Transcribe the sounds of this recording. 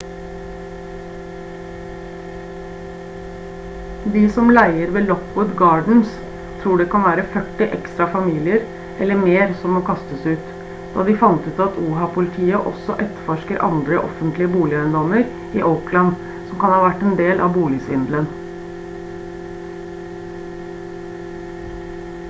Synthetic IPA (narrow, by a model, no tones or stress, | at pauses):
d̪iːsɔmlæɪəɾʋeːlɔkʊd̪ɡɑːɖɳ̩s | t̪ʰɾuːɖeːkʰɑnʋæːɾəfœʈːɪʔɛ̰kst̪ɾɑfɑmiːlɪəɾ | ɛlːəɾmeːɾsɔmoːkʰɑst̪əsʉːt̪ | d̪̥ɑ̰ːd̪ɪfɑnt̪ʉːt̪ɑt̪ʰuːɦɑpʰʊlɪt̪ʰiːəʔɔ̰sːɔʔɛt̪fɔʂkəɾʔɑ̰nd̪ɾəʔɔ̰fənt̪lɪəbuːlɪœənd̪ɔməɾ | iːʔəʊklɑn | sɔmkɑnhɑːʋæʈːɛːnd̪eːlʔɑʋbuːlɪsʋɪnd̪lən